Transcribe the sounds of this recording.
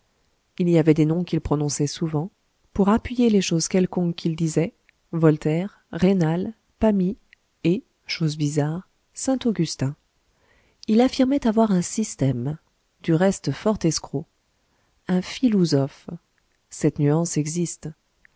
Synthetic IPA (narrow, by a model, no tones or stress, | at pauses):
iliavɛd̪enɔ̃kʲilpχɔnɔ̃sɛsuvɑ̃ | puʁapɥijeleʃozkʲɛlkɔ̃kːʰʲild̪izɛ | vɔlt̪ɛʁ | ʁenal | pami | e | ʃozbizaʁ | sɛ̃t̪oɡʲyst̪ɛ̃ | ilafiʁmɛt̪avwaʁɛ̃sist̪ɛm | d̪̥yʁɛst̪fɔʁt̪ɛskχo | ɛ̃filɔzɔf | sɛt̪nyɑ̃sɛɡzist̪